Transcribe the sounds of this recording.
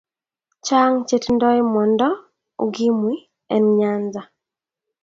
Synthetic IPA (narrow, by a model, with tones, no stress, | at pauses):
t͡ʃa˦ŋt͡ʃe˦tndɔ˦mɔ˨ndɔ˦ | o̰˨ɡi˦mwi˦ | ɛ˨nɲa˦nza˨